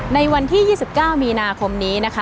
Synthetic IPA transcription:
na˧jwa˧nt̪ʰiː˥˩jiː˥˩si˨˩p̚kaː˥˩wmiː˧naː˧kʰo˧mniː˦˥na˦˥kʰa˦˥

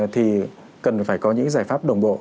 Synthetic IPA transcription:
t̪ʰi˨˩ | kə˨˩nfaː˧˩jkɔ˧ɲɨ̰˧˥ŋzaː˧˩jfaː˦˥p̚ɗə˨˩wŋ͡mɓo̰˧˨

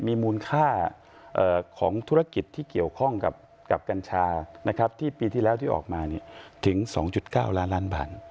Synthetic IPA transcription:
miː˧muː˧nkʰaː˥˩ | ʔəː˨˩kʰɔː˩˦ŋt̪ʰu˦˥ɾa˧ki˨˩t̪ʰːiː˥˩ki˨˩əwkʰɔ˥˩ŋka̰˨˩p̚ | ka˨˩p̚ka˧nt͡ɕʰaː˧na˦˥kʰa˦˥p̚t̪ʰiː˥˩piː˧t̪ʰiː˥˩lɛː˦˥wt̪ʰiː˥˩ʔɔ̰ː˨˩k̚maː˧ni˥˩ɐt̪ʰɯ˩˦ŋsɔ̰ː˩˦ŋt͡ɕu˨˩t̪̚kaː˥˩wlaː˦˥nlaː˦˥nba̰ː˨˩t̪̚

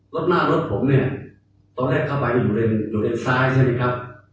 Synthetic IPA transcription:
lo˦˥t̪̚naː˥˩ɾo˦˥t̪̚pʰo˩˦mni˥˩ɐ | t̪ɔː˧nɾɛː˥˩kʰːa˥˩wpa˧jni˥˩juː˨˩ɾe˧njuː˨˩ɾe˧nsaː˦˥jt͡ɕʰa˥˩ma˦˥˩kʰɾa˦˥p̚

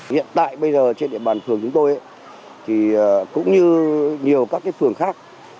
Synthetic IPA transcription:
hḭ˧˨ənt̪a̰ː˧˨jɓə˧jzəː˨˩t͡ɕe˧nɗi˧˩əɓaː˨˩nʰɨ˨˩əŋt͡ɕʊ˨˦ŋ͡mt̪o˧jʔa˧˦ | t̪ʰi˨˩˨kʊ̰˧˥ŋ͡mɲɨ˧ɲi˨˩əwkaː˦˥kːaː˨˦jfɨ˨˩əŋxaː˦˥k̚

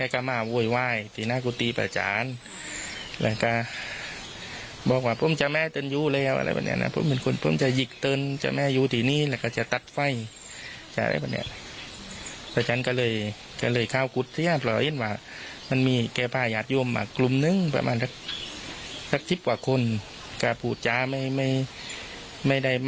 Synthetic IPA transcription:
kɛː˧˨ka˧˩maː˧˩˨woː˧˩˨jwaː˧˩jt̪ʰiː˨naː˧˥˨ku˧˦t̪iː˧˦pa̰˧˩t͡ɕa̰ː˨˦n | lɛ̰˧˩˨ka˧˩ | bɔː˧˦k̚waː˧pʰo˧˥˨mt͡ɕa˧mɛː˧˥˨t̪ɤː˧˨njuː˧˨lɛː˧˩˨wʔa̰˧˨la̰˧˥jpʰa̰˧˩nḭ˧˨nʔa̰˧˩pʰo̰˧˥mːɛ˧˨nkʰo˧˨npʰo˧˥˨mt͡ɕa˧ji˧˩k̚t̪ɤː˧˨nt͡ɕa̰˧˨mɛː˧˨juː˧t̪ʰiː˨niː˧˨lɛː˧˩kaː˧˩t͡ɕa˧˨t̪a˧˦t̪̚fa˧˩˨j | t͡ɕa˨˧˩a̰˧la̰˧˥jpʰa˧˩nḭ˧˨n˧ | t̪ʰaː˧˩t͡ɕʰa˧˥nka˧lɤː˧˩˨j | ka˧˩lɤː˧˩jkʰaː˧˨wku˧˦t̪̚ʰːi˧˦a˧˨pʰlɔː˧˩he˧˥˨nwaː˧˩ | ma˧˥˨nmiː˧˥˨kɛː˧˩pʰaː˧˩˨jaː˧˩t̪̚juː˧˨mʔa̰ː˧˩klu˧˨mnɯ˧˨ŋpa̰˧ma̰ː˧˨nsʰa˧k̚ | sʰa˧˩k̚si˧˥p̚kwaː˧˩kʰo˧˥˨n | ka˧˩pʰuː˧˩t̪̚t͡ɕa˧ma˧˩jma˧˩j | ma˧˨jda˧˩j

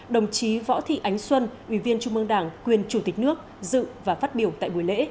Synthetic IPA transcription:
ɗə˨˩wŋ͡mt͡ɕi˨˦vɔ̰˧˥t̪ʰḭ˧˨ʔa˨˦jŋ̟swə˧nʔwi˧˩vi˧ənt͡ɕʊ˧ŋ͡mʔɨ˧əŋɗaː˧˩ŋkwi˨˩ənt͡ɕu˧˩t̪i˨˩k̟̚nɨ˦˥ək̚ | zɨ̰˧˨vaː˨˩faː˦˥t̚ɓi˨˩əwt̪a̰ː˧˨jɓu˨˩jlḛ˧˥

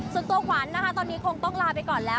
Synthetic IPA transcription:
so˨˩t̪u˧ɐkʰwaː˩˦nːa˦˥kʰa˦˥t̪ɔː˧nːi˦˥kʰo˧ŋt̪ɔ˥˩ŋlaː˧pa˧jkɔː˨˩nlɛː˦˥w

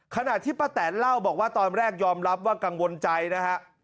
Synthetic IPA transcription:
kʰa˧na˨˩t̪ʰːiː˥˩pa˧t̪ɛː˩˦nla˥˩wbɔː˨˩k̚waː˥˩t̪ɔː˧nɾɛː˥˩k̚jɔː˧mɾa˦˥p̚waː˥˩ka˧ŋwo˧nt͡ɕa˧jna˦˥kʰa˦˥ʔ

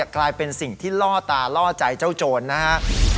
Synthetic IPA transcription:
klaː˧jpe˧nsi˨˩ŋt̪ʰiː˥˩lɔː˥˩t̪aː˧lɔː˥˩t͡ɕa˧jt͡ɕa˥˩wt͡ɕoː˧nːa˦˥kʰa˦˥ʔ

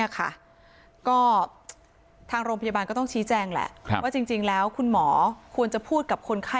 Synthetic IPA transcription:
ɐkʰa̰˥˩ | kɔː˥˩ | t̪ʰaː˧ŋɾoː˧ŋpʰa˧jaː˧baː˧nkɔː˥˩t̪ɔ˥˩ŋt͡ɕʰiː˦˥t͡ɕɛː˧ŋlɛ̰˨˩ʔʰwaː˥˩t͡ɕi˧ŋt͡ɕi˧ŋlɛː˦˥wkʰu˧nmɔː˩˦kʰu˧ənt͡ɕa˨˩pʰuː˥˩t̪̚ka˨˩p̚kʰo˧nkʰa˥˩

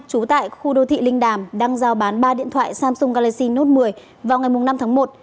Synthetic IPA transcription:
t͡ɕu˨˦t̪a̰ː˧˨jxu˧ɗə˧wt̪ʰḭ˧˨lï˧ŋ̟ɗaː˨˩mɗa˧ŋzaː˧˩wɓaː˨˦nɓaː˧ɗḭ˧˨ənt̪ʰwa̰ː˧˨jsaː˧msʊ˧ŋ͡mkaː˧la˧si˧no˦˥t̚mɨ˨˩əj | vaː˨˩wŋa˨˩jmʊ˨˩ŋ͡mna˧mt̪ʰːŋmo˨˩t̚

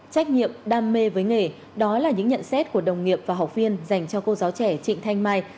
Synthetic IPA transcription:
t͡ɕa˦˥jk̟̚ɲḭ˧˨əmɗaː˧mːe˧vəː˨˦jŋe˨˩ | ɗɔ˨˦laː˨˩ɲɨ̰˧˥ŋɲə̰˧˨nsɛ˦˥t̚ku˧˩əɗə˨˩wŋ͡mŋi˨˩əp̚v̥aː˨˩ɦa˨˩wk͡p̚vi˧ənza˨˩jŋ̟t͡ɕɔ˧ko˧zaː˨˦wt͡ɕɛ˧˩t͡ɕḭ˧˨ŋ̟t̪ʰa˧jŋmaː˧j

